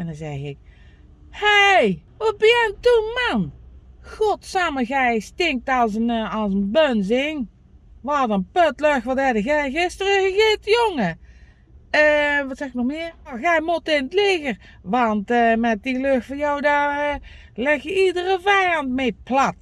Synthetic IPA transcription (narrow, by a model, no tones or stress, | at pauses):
ɛndɑnzɛɣɪk | hejʋɑt̚bəjɛntumɑnxɔtsaməɣɛjstɪŋk̚tɑlˠsənɑlˠsənbønzɪŋ | ʋɑdənpøtløxʋɑtɛdəɣɛɣɪstərəɣəɣɪtjoŋə | əʋɑtsɛxɪknɔxmɪːrɣɛjmutɪnətlɪɣər | ʋɑntmɛt̚diløxtfɔjɔwda | lɛxjəidərəvɛjɑntmeplat